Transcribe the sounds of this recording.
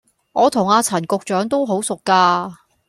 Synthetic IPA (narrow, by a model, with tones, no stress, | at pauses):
ŋɔː˨˧t̪ʰʊ˨˩ŋaː˨˧t͡sʰɐ˨˩nkʊ˨k̚t͡ʃœː˨˥ŋt̪o˥wɦo˨˥wsʊ˨kːaː˧